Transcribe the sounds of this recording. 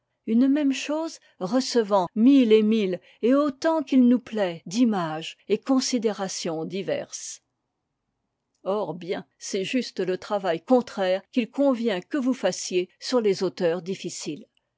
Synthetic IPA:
ynmɛmʃoːz | ʁəsəvɑ̃milemil | eot̪ɑ̃kilnuplɛd̪imaʒekɔ̃sid̪eʁasjɔ̃d̪ivɛ̰ʁs | ɔʁbjɛ̃ | sɛʒyst̪lət̪χavajkɔ̃t̪χɛːʁkʲilkɔ̃vjɛ̃kəvufasjesyʁlezot̪œʁd̪ifisil

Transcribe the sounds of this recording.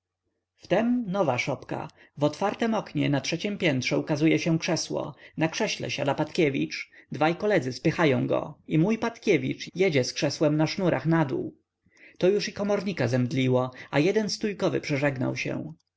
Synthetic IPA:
ft̪ɛmnɔvaʂɔpka̰ | vɔt̪faɾt̪ɛmɔkɲɛ̰natʂɛt͡ɕɛmpʲjɛnt̪ʂɛukazujɛɕɛ̃kʂɛswɔ̰nakʂɛɕlɛ̰ɕad̪apat̪kʲevʲḭt͡ʂd̪vajkɔlɛd̪zɘspɘxajɔ̃w̃ɡɔ̰imujpat̪kʲevʲit͡ʂjɛd͡ʑɛskʂɛswɛmnaʂnuɾʔaxnad̪ṵw | t̪ɔjuʂikɔmɔɾɲikazɛmd̪lʲiwɔajɛd̪ɛnst̪ujkɔvɘ̰pʂɛʐɛɡna̰wɕɛ̰̃

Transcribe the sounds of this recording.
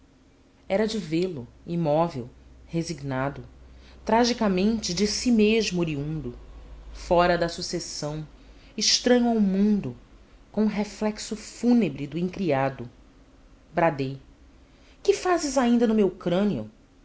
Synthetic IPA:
ɛɾɐd͡ʒɪvelʊimɔvḛwheziɡnad̪ʊt̪ɾaʒikamẽnt͡ʃɪd͡ʒɪsimeʒmʊɾiũnd̪ʊfɔɾɐd̪ɐsusesɐ̃w̃ | ɪʃt̪ɾɐ̃ɲʊawmũnd̪ʊkõɦeflɛksʊfunebɾid̪ʊĩŋkɾiad̪ʊ | bɾad̪ej | kɪfazɪzaĩnd̪ɐnʊmewkɾɐ̃niʊ̰

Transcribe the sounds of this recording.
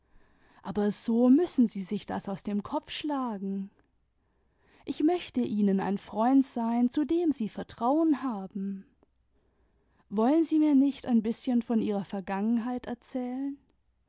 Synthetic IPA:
ʔaːbɐzoːmʏsn̩ziːzɪçd̥a̰saʊsd̥eːmkʰɔp͡fʃlaːɡŋ̩ | ʔɪçmœçtəʔiːnəna̰ɪnfʁ̥ɔʏntz̥aɪnt͡sudeːmziːfɛɐtʁ̥aʊənhaːbm̩ | vɔlənziːmiːɐnɪçtaɪnbɪsçənfɔnʔiːʁɐfɛɐɡaŋənɦaɪtɛɐt͡sɛːlən

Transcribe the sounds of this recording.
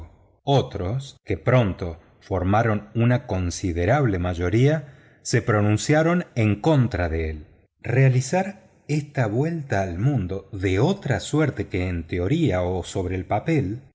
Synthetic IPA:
o̞t̪ɾo̞ske̞pɾo̞nt̪o̞ | fo̞ɾmaɾo̞nunako̞nsið̞eɾaβle̞maʒo̞ɾia | se̞pɾo̞nũnsjaɾo̞neŋko̞nt̪ɾaðeel | realisaɾ | est̪aβwe̞lt̪aːlmũnd̪o̞ðeo̞t̪ɾasweɾt̪e̞keːnt̪eo̞ɾiaoso̞βɾeːlpape̞l

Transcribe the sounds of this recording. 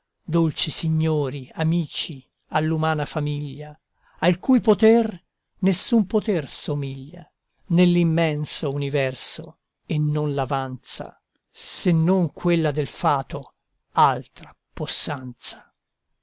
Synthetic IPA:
d̪olt͡ʃisiɲːoːɾiamiːt͡ʃi | alːumaːnafamiʎːa | alkuːjpot̪ɛr | nesːumpot̪ɛrsomiʎːa̰ | nelːimːɛnsounivɛrso̰ | enːonlavant̪sa̰ | senːoŋkʰwelːad̪elfaːt̪o | alt̪ɾa | posːant̪sḁ

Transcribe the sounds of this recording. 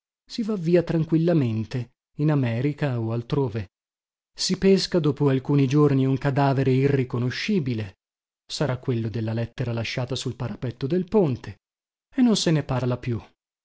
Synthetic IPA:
sivavːiːat̪ɾaŋkwilːament̪e | inamɛːɾikaoalt̪ɾoːve | sipeskad̪oːpoalkuːnid͡ʒorniuŋkad̪aːveɾeirːikonoʃːiːbile | saɾakːwelːod̪elːalɛt̪ːeɾalaʃːaːt̪asulpaɾapɛt̪ːod̪elpont̪ʰe | enːonseneparlapju

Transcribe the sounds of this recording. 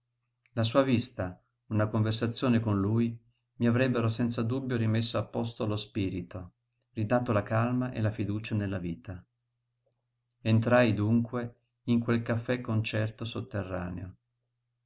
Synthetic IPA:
las̬uːavist̪a | unakoɱversat̪sːjoːnekonluːj | miavɾɛbːeɾosɛnt̪sad̪ubːjoɾimesːoapːɔs̬t̪oalospiːɾit̪o | rid̪aːt̪olakalmaʔḛlafid̪uːt͡ʃanelːaviːt̪a | ent̪ɾajd̪uŋkwe | iŋkwelkafːɛkːont͡ʃɛrt̪osot̪ːerːa̰ːnḛo

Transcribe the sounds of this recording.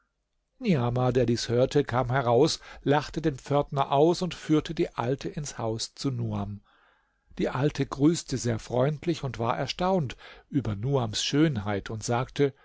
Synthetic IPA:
niaːmadeːɐdiːshøːɐtʰəkʰaːmɦɛʁaʊslaχtədeːnp͡fœɐtnɐʔaʊsʊntfyːɐtʰədiːʔaltʰəʔɪnshaʊst͡sunuːam | d̥iːʔaltʰəɡʁyːstʰəzeːɐfʁ̥ɔʏntʰlɪçʊntv̥aːɐʔɛɐʃtaʊntʔyːbɐnuːamsʃøːnɦaɪtʰʊntz̥aːktʰə

